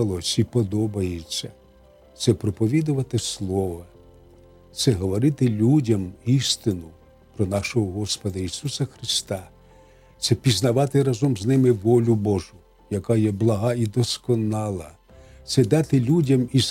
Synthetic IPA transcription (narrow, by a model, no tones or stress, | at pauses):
lˠɔsʲipɔd̪ɔbɐjet͡sʲːɐ | t̪sɛpɾɔpɔʋʲid̪ʊʋɐt̪ɪslˠɔʋɐ | t̪sɛɦɔʋɔɾɪt̪ɪlʲudʲɐmist̪ɪnʊ | pɾɔnɑʃɔɦɔɦɔspɔd̪ɐisusɐxɾɪst̪ɑ | t̪sɛpʲiznɐʋɑt̪ɪɾɐzɔmznɪmɪʋɔlʲʊbɔʒʊ | jɐkɑjɛblˠɐɦɑid̪ɔskɔnɑlˠɐ | t̪sɛd̪ɑt̪ɪlʲudʲɐmis